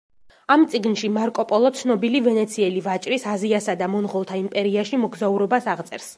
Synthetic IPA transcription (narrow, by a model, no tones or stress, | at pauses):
amt̪sʼiɡnʃimaɾkʼɔpʼɔlˠɔt̪sʰnɔbilivɛnɛt̪sʰiɛlivat͡ʃʼɾisaziasad̪amɔnʁɔlˠt̪ʰaimpʼɛɾiaʃimɔɡzauɾɔbasaʁt̪sʼɛɾs